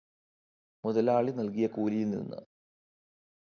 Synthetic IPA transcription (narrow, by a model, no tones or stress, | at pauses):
muðɐlaːɭinɐlkijɐkuːlijulnḭnːɨ̰